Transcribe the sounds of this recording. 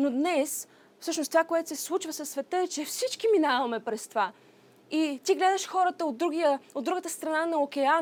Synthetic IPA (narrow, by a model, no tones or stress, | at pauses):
nod̪nɛs | fsɤʃnost̪ovakoɛt̪ʊ̥sɛslˠut͡ʃvəsəsːvɛt̪əɛt͡ʃɛfsit͡ʃkiminavɐmɛpɾɛst̪ova | it̪iɡlɛd̪əʃxɔɾət̪əod̪ːɾuɡʲijəod̪ːɾuɡət̪əst̪ɾɐnanɐokɛa